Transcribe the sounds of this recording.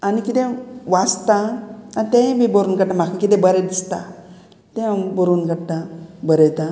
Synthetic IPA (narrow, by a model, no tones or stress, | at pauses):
anikit̪ẽʋast̪ãːnit̪ẽmibəɾuːnkəɽʈ̪ãm̤akʰãkit̪ɛ̃bəɾɛd̪ist̪a̰ | t̪ẽbəɾuːnkəɽt̪ãbəɾɛt̪ã